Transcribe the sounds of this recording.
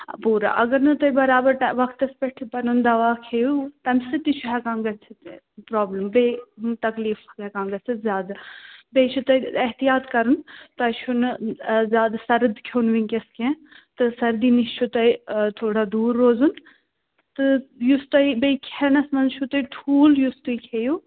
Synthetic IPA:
puːɾa̰ʔɐ̰ɡɐɾnɐt̪ɐibɐɾaːbɐɾʈaʋɐkʰt̪ɐspɛʈʰipɐnund̪ɐʋaːkʰeːjut̪ɐmʲsɨt̪it͡ʃʰuɦɛkãːŋɡɐt͡sʰit̪ː | pɾaːbləmbeːt̪ɐkliːfɐkɛkãːŋɡɐt͡sʰit̪zʲjaːd̪abeːt͡ʃʰut̪ɐiɐɦt̪ijaːt̪kɐɾunt̪ɐt͡ʃʰunzjaːd̪asɐɾd̪kʰjoːnʋĩŋʲkʲɐskẽː | t̪ɨsɐɾd̪iːnist͡ʃʰut̪ɐit̪ʰoːɽad̪uːɾːoːzun | t̪ɨjust̪ɐibeikʰenɐsmɐnzt͡ʃʰut̪ɐiʈʰuːljust̪uikʰeːjuː

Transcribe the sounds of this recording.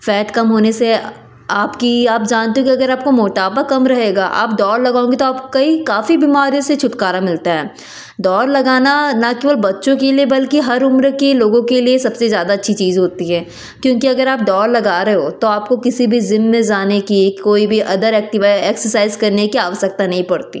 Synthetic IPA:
fɛːʈkɐmɦoːnese | aːpkiaːp̚d͡ʒaːnt̪eɦõkiɐɡəɾaːp̚komoːʈaːpakɐmɾɐɦeːɡaːʔa̰ːp̚ɖɔːɾlɐɡaːõːŋɡit̪oaːpkɐikaːfibimaːɾijõset͡ʃʰʊʈkaːɾamɪlt̪aɦɛː | ɖɔːɾlɐɡaːnanɐkeːʋəlbɐtːʃõkeliebɐlkiɦɐɾʊmɾkiloːɡõkeliesɐbsezjaːd̪aɐtːʃʰit͡ʃiːzɦoːt̪iɦɛː | kjõːkiɐɡəɾaːp̚ɖɔːɾlɐɡaːɾɐɦeɦot̪oaːpkokɪsibʱizɪnːẽd͡ʒaːnekikoːibʱiʔɐd̪əɾɛːk̚ʈɪʋaːeːksəɾsaːɪzkɐɾnekiaːʋəsək̚t̪anɐɦĩpɐɽt̪ḭː

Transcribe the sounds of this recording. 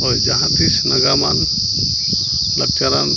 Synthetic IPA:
ɔjd͡ʒaɦãt̪ʰisnəɡama̰n | lək̚t͡ʃaɾan

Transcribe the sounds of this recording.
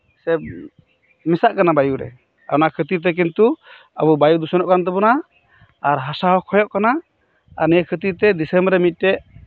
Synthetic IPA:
sɛb | mɛsaʔkanabajuɾɛ̰ | a̰nakʰət̪iɾt̪̬ɛk̬int̪u | ə̰bubajud̪usɔnɔʔkant̪̬ɛbɔna | aɾɦasaɦɔkʰɔjɔʔkana | aɾnɛəkʰət̪iɾt̪ɛd̪isɛmbɾɛmit̪̚ˀʈɛʔ

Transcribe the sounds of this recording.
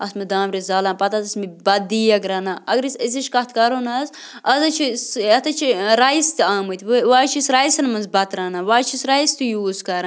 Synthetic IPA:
ɐsmɐd̪aːmɾizaːlaːnpɐt̪ɐzɐsmibɐd̪iːɐɡɾɐːnaːʔɐɡɾisiziʃkɐt̪ʰkɐɾoːnɐz | ɐzɐt͡ʃʰisɐt̪ɐt͡ʃʰiɾaist̪iaːmɨt̪ʲʋʋaːt͡ʃʰisɾajisɐnmɐnzbɐt̪ɾɐːnaʋaːt͡ʃʰisɾɐist̪ujuːzkɐɾa

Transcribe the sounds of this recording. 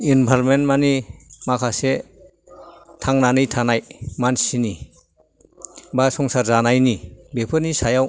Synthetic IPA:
inbʱalmenmanimakʰase | tʰaŋnanɯjtʰanajmansini | basɔŋsaɾzanajnibepʰɯɾnisajaw

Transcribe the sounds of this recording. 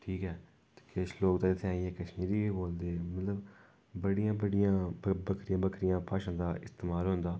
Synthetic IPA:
ʈʰiːkɦɛ̥ː | keʃloːkt̪ãːɪt̪ʰːeaːieːkəʃmiːɾiːboːld̪eːmət̪ləb | bəɽijãːbəɽɪjãːbəbəkʰɾɪjãːbəkʰɾɪjãːpaːʃãːd̪aːɪst̪eːmaːlɦʊ̃nd̪aː

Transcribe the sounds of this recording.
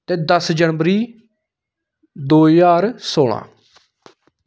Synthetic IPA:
t̪eːd̪əsd͡ʒəɳʋəɾiː | d̪oːjaːɾsoːlã̰ː

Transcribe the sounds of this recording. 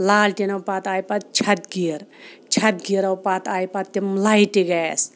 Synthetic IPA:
laːlʈenɐwpat̪aːjpat̪̚t͡ʃʰɐt̪̚ɡiɾt͡ʃʰɐt̪̚ɡiɾɐwpat̪aːjpat̪ːemlaiʈiɡajs

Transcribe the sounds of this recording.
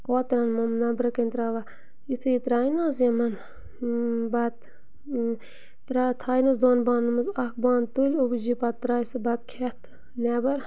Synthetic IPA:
koːt̪ɾɐnmɐmnɐbɾɐkɐnʲt̪ɾaʋa | jit̪ʰɨjit̪ɾaːjnaːzjɐmɐn | bɐt̪ | t̪ɾat̪ʰaːjnɐzd̪oːnbaːnːɨmɐzɐk̚baːnt̪ulʲobd͡ʒipɐt̪ːɾaːjsɨbɐt̪̚kʰɛt̪ʰ | nɛːbɐɾ

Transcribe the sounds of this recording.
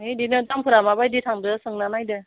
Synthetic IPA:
ɦedinɯtampʰɯɾamabajditʰaŋdɯsɯŋnanajdɯ

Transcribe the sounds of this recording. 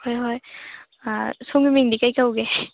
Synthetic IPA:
hɔjɦɔj | soŋɡimiŋdikajkawɡe

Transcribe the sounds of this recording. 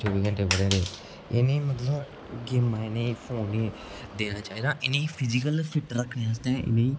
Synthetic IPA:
t͡ʃoːʋiːɡəɳʈeːbəɽeɾeː | ɪ̰neːmət̪ləb | ɡeːmːãːɪneːipʰoːneː | d̪eːnaːt͡ʃaːɦiːd̪aːʔɪnẽiːpʰɪzikəlfɪʈɾəkʰnẽas̬t̪ɛ̃ʔɪ̰nẽiː

